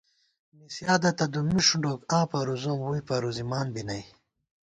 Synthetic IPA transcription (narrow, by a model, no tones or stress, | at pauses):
misjaːd̪ɐt̪ɐd̪umiʂuɳɖoːkãːpɐɾuzomwujpɐɾuzimaːnbinɐj